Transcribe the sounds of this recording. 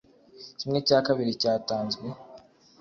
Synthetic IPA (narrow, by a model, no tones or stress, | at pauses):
cimŋecaːkaβiɾicaːtaːnzɡwe